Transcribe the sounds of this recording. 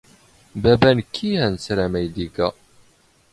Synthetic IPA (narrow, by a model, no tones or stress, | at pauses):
bæbænəkʰːihænsɾæmæjd̪iɡæ